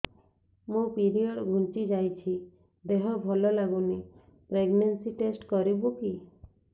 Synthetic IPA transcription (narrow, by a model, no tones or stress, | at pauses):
mũpiɾiɔɖɡʱunt͡ʃid͡ʒajt͡ʃʰi | d̪eɦɔbʱɔlɔlaɡuni | pɾeɡnensiʈesʈkɔɾibuki